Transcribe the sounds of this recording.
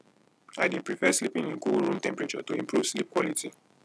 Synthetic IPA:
adĩpɹifɛslipĩŋĩŋkuɾũmtɛ̃mpɹet͡ʃɔ̰toĩmpɾuv̥slip̚kwɔliti

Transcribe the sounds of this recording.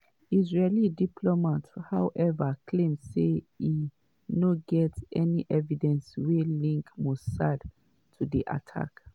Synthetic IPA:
izɹelidipʰlɔmathawʔɛvakʰlẽmse | i | noɡɛtɛniʔɛvidɛ̃nswelĩŋkmɔssad | tʰudiʔa̰tʰa̰k

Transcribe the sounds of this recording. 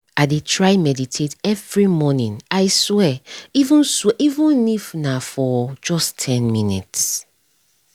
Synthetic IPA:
adetʰɹaɪmɛditʰetɛvɹimɔnĩnaɪswɛivũnswɛʔivũnnifnãfɔd͡ʒɔstʰɛ̃nmĩnḭts

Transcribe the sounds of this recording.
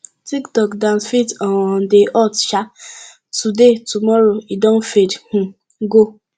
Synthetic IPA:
tiktɔkdãnsfitɔ̃wɔ̃n̩deʔɔtʃa | tudetumɔɾoidɔ̃nfedhũ | ɡo

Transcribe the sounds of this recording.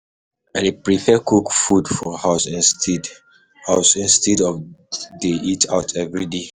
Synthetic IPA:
ãnepɹifɛkukfudfɔhasĩnstid | haʊsĩnstidɔfdeitʰaʊtʰɛvɹide

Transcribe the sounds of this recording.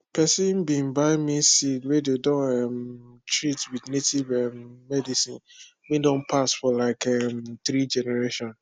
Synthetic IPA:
pʰɛsĩnbĩnbaɪmĩsidwediodɔ̃nɛmtɹitwidnetʰivɛmːɛdisĩn | mĩdõnpʰasfɔlaɪkɛmt̪ɾid͡ʒɛnɛɹeʃɔ̃n

